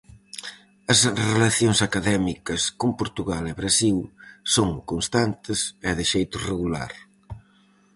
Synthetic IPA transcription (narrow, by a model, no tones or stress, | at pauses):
ɐsrelɐθjoŋsakaðɛmikɐskompoɾt̪uɣalɪβɾasilsoŋkonst̪ant̪ɪsɛðɪʃejt̪ʊreɣula̰ɾ